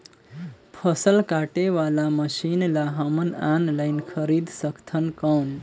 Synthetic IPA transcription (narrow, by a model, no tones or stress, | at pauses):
pʰəsəlkaʈeʋalaməʃinlaɦəmənanlaɪnkʰəɾid̪səkʰt̪ʰənkən